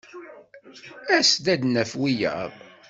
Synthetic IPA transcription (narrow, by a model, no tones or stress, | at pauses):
æsd̪æd̪nəfwijæ̰